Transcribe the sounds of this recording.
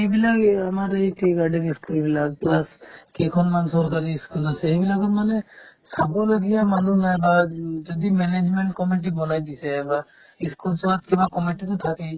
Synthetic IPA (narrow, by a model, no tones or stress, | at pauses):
ejbilaɡamaɾejʈiɡaɖiniskulbilak̚plaskɛkʰɔnmansɔɾkaɾiːskulasɛejbilaɡɔtmanɛsabɔlɔɡijamanunajbad͡ʒɔd̪imɛned͡ʒmeɳʈkɔmiʈ̬ibɔnajd̪isɛba | iskulswat̪̚kibakɔmiʈit̪ʊt̪ʰaki